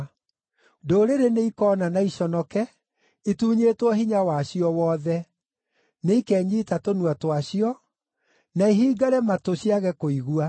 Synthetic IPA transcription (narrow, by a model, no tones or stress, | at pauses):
doːɾeɾeneikɔːnanaiɕɔnɔkɛ | ituːɲetwɔɦiɲawaɕiɔwɔːðɛ | neikɛːɲiːtatonuatwaɕiɔ | naiɦiːɡaɾɛmatoɕiaɣɛkoiɣua